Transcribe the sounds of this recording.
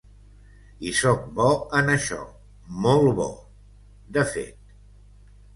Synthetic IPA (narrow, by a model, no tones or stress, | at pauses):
isɔk̚bɔənəʃɔ̰ | molˠβɔ̰ | d̪əfḛt̪̚